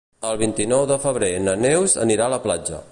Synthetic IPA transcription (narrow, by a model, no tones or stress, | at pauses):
əlˠβint̪inɔwðəfəβ̞ɾenənewzə̰niɾaləplad͡ʒə̰